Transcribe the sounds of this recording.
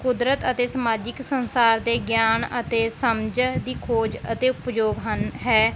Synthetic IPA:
kʊd̪ɾət̪ət̪eːsəmaːd͡ʒɪksənsaːɾd̪eːɡjaːnət̪eːsəmd͡ʒd̪iːkʰoːd͡ʒət̪eːʊpd͡ʒoːɡɦənɦɛː

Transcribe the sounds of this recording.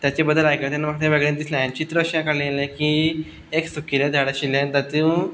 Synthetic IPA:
t̪jat͡ɕebəd̪ʱəlajkət̪janːamək̚t̪ẽʋeɡɭẽnd̪islãjãt͡ɕit̪ɾəɕjãkaɽlẽjelẽki | eksukilẽd̪ʱaɽaɕilːẽnit̪at̪iu

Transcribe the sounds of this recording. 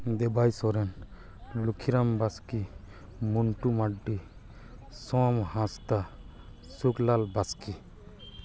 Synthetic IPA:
d̪ebajsɔɾen | lukʰiɾambaski | muɳʈumaɖːi | sɔ̃mhãst̪a | suklalbaski

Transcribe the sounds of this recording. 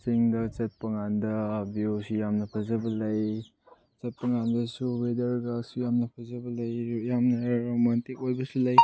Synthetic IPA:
siŋdɐt͡ʃɐt̚pɐŋandɐbiosijamnɐpʰɐzɐbɐlɐj | t͡ʃɐt̚pɐŋandɐsubedɐɾɡasujamnɐpʰɐzɐbɐlɐjjamnɐɾomantikojbɐsulaj

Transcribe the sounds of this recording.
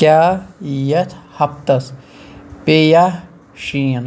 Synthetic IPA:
kʲaːjɐt̪ʰhɐp̚t̪ɐs | peja | ʃiːn

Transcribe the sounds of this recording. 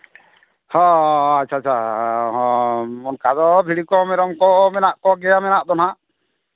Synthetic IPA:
hɔ̃att͡ʃʰat͡ʃʰaɦɔ̃mɔnkad̪ɔbʱiɽikɔmɛɾɔmkɔmɛnaʔkɔɡɛjamɛnaʔd̪ɔnaʔ

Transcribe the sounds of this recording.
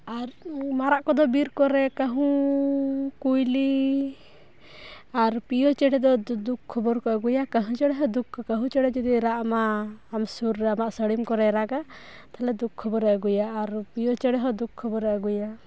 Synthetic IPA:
aɾmaɾaʔkɔd̪ɔbiɾkɔɾɛkəɦũ | kujli | aɾpijɔt͡ʃɛɽɛd̪ɔd̪ukʰːɔbɔɾkɔəɡujakəɦũt͡ʃɛɽɛɦɔd̪ukʰːɔkəɦũt͡ʃɛɽɛd͡ʒud̪iɾaʔmaːmsuɾamaʔsəɽimkɔɾɛɾaɡa | t̪alɛd̪ukʰːɔbɔɾɛəɡujaːɾpijɔt͡ʃɛɽɛɦɔd̪ukʰːɔbɔɾɛʔəɡuja

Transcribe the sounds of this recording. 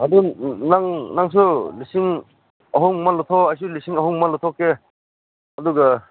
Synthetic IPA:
ad̪unaŋnaŋs̬ulisiŋ | ɐɦɔŋmalɔt̪ʰɔajs̬ulisiŋɐɦuŋmalɔt̪ʰɔke | ɐduɡɐ

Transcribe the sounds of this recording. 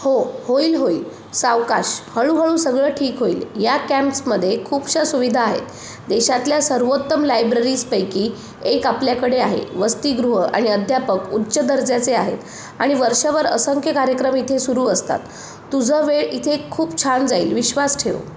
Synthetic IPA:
hohoiːlɦoiːl | saʋkaɕhəɭuɦəɭũːsəɡɭəːʈʰiːkɦoiːljakæmpsməd̪ʱːjekʰuːpɕasuʋid̪ʱaːɦḛt̪ | d̪eɕat̪ljasəɾʋot̪ːəmlajbɾəɾiːspəjkiː | ekapljakəɽeaɦḛʋəst̪iːɡɾuɦəa̰ɽ̃iəd̪ʱjapəkutːɕəd̪əɾd͡zat͡seaɦḛt̪ | aɽ̃iʋəɾʂaʋəɾə̰səŋkʰjəkaɾjəkɾəmit̪ʰesuɾuːəst̪a̰t̪ː | ud͡zʱəʋeɭit̪ʰekʰːuːpt͡ɕʰand͡zaḭːlʋiɕʋasʈʰeʋ̰

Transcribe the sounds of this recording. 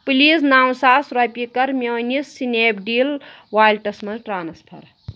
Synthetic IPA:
piliːsnaːw̃saːsɾɐpʲikɐɾmʲeːnisːineːbɖiːl | waːjlʈɐsmɐɾʈɾaːnɐspʰɐ̰ɾ

